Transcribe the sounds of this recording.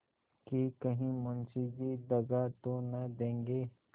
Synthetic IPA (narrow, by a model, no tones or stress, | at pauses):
kikɐɦĩmʊnsid͡ʒid̪ɐɡat̪onɐd̪ẽːŋɡeː